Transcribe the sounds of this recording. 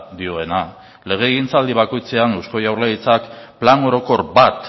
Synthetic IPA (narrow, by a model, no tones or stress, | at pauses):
d̪io̞e̞na | le̞ɣ̞e̞ːɣint͡sald̪iβ̞ako̞jt͡se̞anewsko̞jawrleɣit͡sakplano̞ɾo̞ko̞ɾbat̪